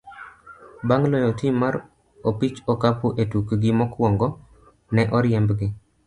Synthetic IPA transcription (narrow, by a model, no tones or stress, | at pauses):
baŋlɔjɔtimːaɾ | opit͡ʃɔkapuʔetukɡɪmɔkwɔŋɡɔ | nɛʔɔɾjɛmbɡɪ